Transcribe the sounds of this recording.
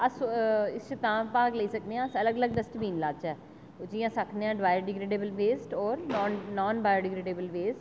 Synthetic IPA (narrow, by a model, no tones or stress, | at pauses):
əsɪst͡ʃət̪ãːpaːkləiːsək̚neãːəsələɡələɡd̪əsʈbʱiːnlaːt͡ʃɛː | d͡ʒijãːsəkʰnejãːɖʋaːjəɾɖɪɡɾeːɖeːbəlʋeːsʈɔːɾɔːnɔːnbaːjɖɪɡɾeːɖeːbəlʋeːsʈ